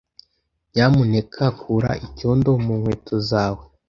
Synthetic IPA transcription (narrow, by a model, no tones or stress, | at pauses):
ɲamune̞kʰakʰuɾa̰ʔicondomunhweːtʰozaːwe